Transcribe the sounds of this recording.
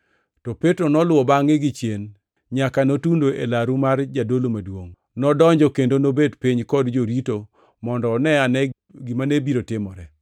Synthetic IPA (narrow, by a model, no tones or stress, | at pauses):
tɔpetɾonɔlwɔbaŋɪɡɪt͡ʃjen | ɲakanotundoʔelaɾumard͡ʒadolomadwoŋ | nɔdɔɲd͡ʒɔkendonobedpɪɲkɔdd͡ʒoɾito | mɔndɔːnɛanɛ | ɡɪmanebiɾotɪmɔɾɛ